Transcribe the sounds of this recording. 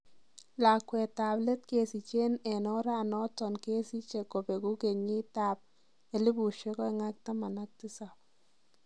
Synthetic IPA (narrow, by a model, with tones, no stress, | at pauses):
la˨kwɛ˨t̪a˨ble˦t̪ke˦si˨t͡ʃe˦nɛ˨nɔ˦ɾa˦˨nɔ˦tɔ˨nke˦si˦t͡ʃe˨ko˨pe˨ɡu˦ɡe˨ɲi˦t̪a˦p̚ | e˨li˦bu˨ʃe˦kɔ˦ɛ˨ŋa˦k̚t̪a˦ma˨na˦k̚tɪ˦sa˨p